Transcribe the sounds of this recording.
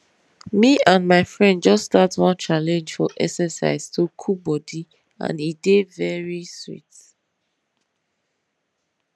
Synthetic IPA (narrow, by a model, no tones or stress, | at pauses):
miãnmaɪfɹɛ̃nd̚d͡ʒʌstatswɔ̃nt͡ʃalɛ̃nd͡ʒfɔʔɛksəsa̰ɪz̥tʰukʰubɔdi | ã̰nidevɛɹiswḭt